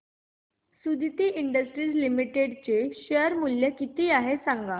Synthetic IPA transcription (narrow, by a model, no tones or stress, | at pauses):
sud̪ʱit̪iːʔiɳɖəsʈɾiːd͡zlimiʈeɽt͡ɕeɕəɾmuljəkit̪iːaɦesãŋɡa